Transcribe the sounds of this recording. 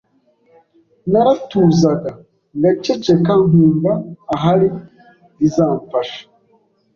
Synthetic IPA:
naɾatuːzaɡa | ŋɡat͡ʃet͡ʃekaŋuːŋɡaːɦaɾi | izaːɱfaʃḁ

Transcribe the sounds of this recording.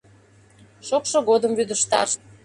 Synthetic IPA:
ʃokʃŏɣod̪əmvyd̪əʃt̪ɑ̰r

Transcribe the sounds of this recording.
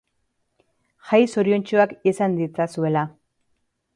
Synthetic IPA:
xajsoɾjo̞nt͡ʃoakisand̪it͡sasue̞la

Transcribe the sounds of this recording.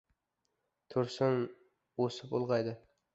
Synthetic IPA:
t̪ʰʊɾsɪn | osɪpolˠʁɑjd̪ɪ

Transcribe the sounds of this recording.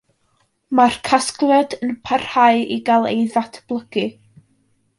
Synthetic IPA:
markʰasklˠjɔdənpʰarhaɨiɡalˠḛjðatʰb̥lˠəɡɨ

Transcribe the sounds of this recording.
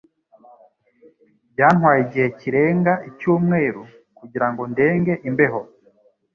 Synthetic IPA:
bɟaːn̥hwaːjiɟihe̞ciɾe̞ːŋɡaʔicuːmŋe̞ːɾu | kuɟiɾaŋɡo̞nde̞ːŋɡe̞ʔimbe̞ɦo

